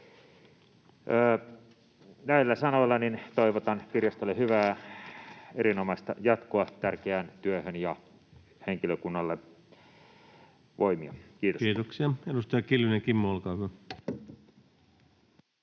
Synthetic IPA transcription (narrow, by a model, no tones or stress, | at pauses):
əː | næilːæsɑnolːɑnint̪oiʋot̪ɑnkirjɑst̪olːehyʋæː | eɾinomɑist̪ɑjɑt̪koɑt̪ærkeænt̪yøhønjɑ | heŋkiløkunːɑlːe | ʋoimiɑkiːt̪okiːt̪oksiɑedust̪ɑjɑkilʋineŋkimːoɑlkɑːø